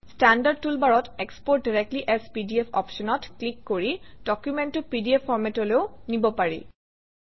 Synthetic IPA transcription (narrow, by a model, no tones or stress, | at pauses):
standad̚tulbaɹɔtekspɔɹt̚diɹɛk̚tliʔɛspidiɛpʰɔ̰pʃɔnɔtklikːoɹid̥ɔkjumɛntʊpidiɛpʰːɔɹmɛtɔleʊnibɔpaɹḭ